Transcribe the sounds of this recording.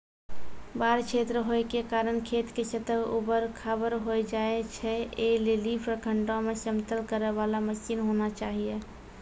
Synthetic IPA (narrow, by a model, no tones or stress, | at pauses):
baːɾt͡ʃʰet̪ɾəɦoekekaːɾənkʰet̪kesət̪əbubəɾkʰabəɾɦojd͡ʒaet͡ʃʰɛelelipɾəkʰəɳʈõmesəmt̪əlkəɾeʋalaməsinɦonat͡ʃaːɦije